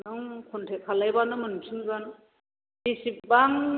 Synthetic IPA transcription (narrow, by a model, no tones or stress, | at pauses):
nɯŋkʰɔntʰekʰːalajbanɯmɯnumsʰɯŋzan | disip̚baŋ